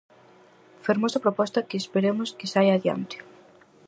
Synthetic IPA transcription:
feɾmosɐpɾopɔst̪ɐkeːspeɾemoskesajaðja̰nt̪ɪ̥

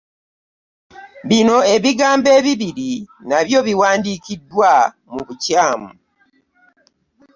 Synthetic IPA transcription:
βino̞e̞βiɡaːmbe̞ːβiβiɾinaβjo̞βiwaːndiːkidːwa | muβucaːmu

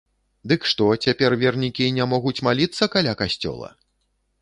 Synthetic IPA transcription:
d̪ɨkʂt̪ɔt͡sʲapʲɛrvʲɛrnʲikʲinʲamɔɣut͡sʲmalʲit̪sːɐkalʲakasʲt͡sʲɔ̰lˠɐ̰

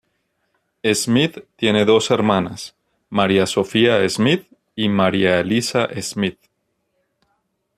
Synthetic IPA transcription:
ezmiðt̪ːje̞ne̞ðo̞se̞ɾmãnas | maɾjaso̞fiaezmið | imaɾjaelisaʔezmið

